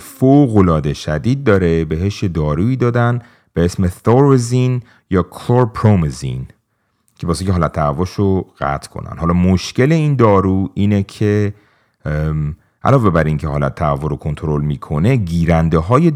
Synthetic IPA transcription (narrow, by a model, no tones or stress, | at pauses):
foɣo̞lɒːd̪e̞ʃæd̪iːd̪̚ːɒːɾe̞be̞ɦeʃjed̪ɒːɾuːiːd̪ɒːd̪æn | b̥eesmesoɾezin | jɒːkʰloɾpʰɾomezḭn | cʰe̞bɒːsecʲeɦɒːlæt̪̚ʰːæævːɔʃoɣ̥æ̰t̪ʰkʰo̰næ̰nɦɒːlɒːmoʃce̞le̞ind̪ɒːɾuːiːnecʰe | ʔæ̰lɒːve̞bæɾiŋcʰehɒːlæ̰t̪ʰːæævːoɾokʰo̞nt̪ʰoɾo̞lmiːkʰo̞ne̞ɟiːɾænd̪eɦɒːje